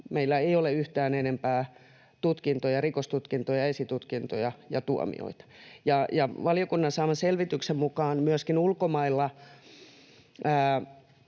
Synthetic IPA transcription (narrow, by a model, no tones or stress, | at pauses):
meilːæeioleyht̪æːnenempæː | t̪ut̪kint̪ojɑrikost̪ut̪kint̪ojɑesit̪ut̪kint̪ojɑjɑt̪uo̰mḭo̰it̪ɑ̥jɑjɑʋɑljokunːɑnsɑːmɑselʋit̪yksemmukɑːnmyøskinulkomɑilːɑ | æː